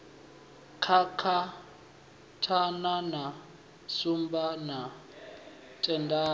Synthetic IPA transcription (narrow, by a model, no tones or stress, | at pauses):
kʰakʰa | tʰanana | sumbana | tʼɛndaː